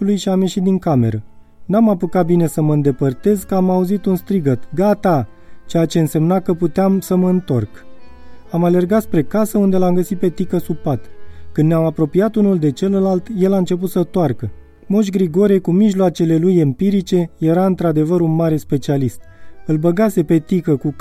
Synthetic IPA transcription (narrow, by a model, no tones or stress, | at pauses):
lujʃiamje̞ʃit̪̚d̪iŋkame̞ɾə | namapukat̪̚bine̞səməɨnd̪e̞pərt̪e̞zkəamauzit̪unst̪ɾiɡət̪ɡat̪a | t͡ʃejat͡ʃe̞ɨnse̞mnakəput̪eamsəməɨnt̪o̞̰rk | amale̞rɡat̪spɾe̞kasəund̪e̞lamɡəsit̪̚pe̞t̪ikəsupat̪kɨnnʲeamapɾo̞piat̪unuld̪e̞t͡ʃe̞ləlalt̪je̞laɨnt͡ʃe̞p̬ut̪sət̪oarkə | moʃ̬ɡɾiɡo̞ɾekumiʒloat͡ʃe̞le̞luje̞mpiɾit͡ʃe̞je̞ɾaɨnt̪ɾad̪e̞vəɾunmaɾe̞spe̞t͡ʃialist̪̚ɨlbəɡase̞pe̞t̪ikəku